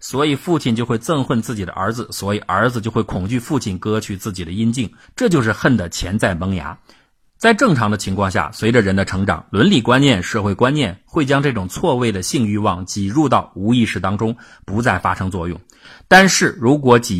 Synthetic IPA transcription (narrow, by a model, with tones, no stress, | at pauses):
swɔ˧˥i˨˩fu˥˧t͡ɕʰi˥˩˧nt͡ɕjo˥˧ʊxwe˥˧ɪt͡sɤ˥˧ŋxwə˥˧nt͡sɹ̩˥˩t͡ɕi˨˩d̪ə̰˦ʔə̰˞˧˥d͡zɹ̩˧swɔ˧˥i˨˩ʔə̰˞˧˥d͡zɹ̩˧t͡ɕjo˥˧ʊxwe˥˩ɪkʰʊ˨˩ŋt͡ɕy˥˧fu˥˧t͡ɕʰi˥˩nkɤ˥t͡ɕʰy˥˩t͡sɹ̩˥˩t͡ɕi˨˩d̪ə˦i˥nt͡ɕi˥˩ŋ | ʈ͡ʂɤ˥˧t͡ɕjo˥˧ʊʂ̬ɻ̩˥˧xə˥˩nd̪ə˩t͡ɕʰjɛ˧˥nt͡sa˥˩ɪmɤ˧˥ŋja̰˧˥ | t͡sa˥˧ɪʈ͡ʂɤ˥˩ŋʈ͡ʂʰɑ˧˥ŋd̪ə˧t͡ɕʰi˧˥ŋkʰwɑ˥˧ŋɕja̰˥˩swe˧˥ɪʈ͡ʂə˧ɻə˧˥nd̪ə˧ʈ͡ʂʰɤ˧˥ŋʈ͡ʂɑ̰˨˩˦ŋlwə˧˥nli˨˩kwa˥nnjɛ˥˧nʂɤ˥˧xwe˥˩ɪkwa˥nnjɛ˥˧nxwe˥˩ɪt͡ɕjɑ˥ŋʈ͡ʂɤ˥˩ʈ͡ʂʊ˨˩ŋt͡sʰwɔ˥˧we˥˩ɪd̪ə˩ɕi˥˧ŋy˥˧wɑ˥˩ŋt͡ɕi˨˩ɻu˥˧t̪ɑ˥˩ʊu˧˥i˥˧ʂɻ̩˥˩t̪ɑ˥ŋʈ͡ʂʊ˥ŋ | pu˧˥t͡sa˥˩ɪfa˥ʂɤ˥ŋt͡swɔ˥˧jʊ̰˥˩ŋ | t̪a˥˧nʂɻ̩˥˩ɻu˧˥k̬wɔ˧˥t͡ɕi˨˩